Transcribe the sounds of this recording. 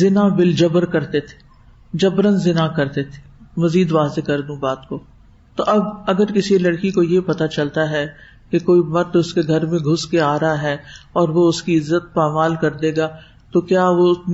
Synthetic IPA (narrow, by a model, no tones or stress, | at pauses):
zɪnabɪld͡ʒɐbəɾkɐɾt̪et̪ʰe̥ | d͡ʒɐbɾənzɪnakɐɾt̪et̪ʰe̥ | mɐziːd̪ʋaːzekɐɾd̪ũbaːt̪koː | t̪oʔɐbɐɡəɾkɪsilɐɽkikojepɐt̪at͡ʃɐlt̪aɦɛ | kekoːimɐt̪ʊskeɡʱɐɾmẽɡʱʊskeaːɾɦaɦɛːɔːɾʋoʊskiɪzːət̪̚paːmaːlkɐɾd̪eːɡaː | t̪okjaːʋo